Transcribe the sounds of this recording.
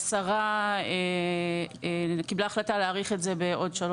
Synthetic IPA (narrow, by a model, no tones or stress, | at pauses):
saʁae | ekiblaːχlataleːʁiχetze̞be̞ʔo̞dʃalo